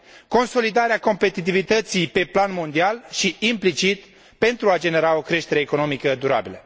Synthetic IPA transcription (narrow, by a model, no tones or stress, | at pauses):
ko̞nso̞lid̪aɾeako̞mpe̞t̪it̪̬ivit̪ət̪sijpe̞planmo̞nd̪ialʃiːmplit͡ʃit̪ | pe̞nt̪ɾuad͡ʒe̞ne̞ɾao̞kɾe̞ʃt̪e̞ɾe̞ːko̞nomikəd̪uɾa̰bilə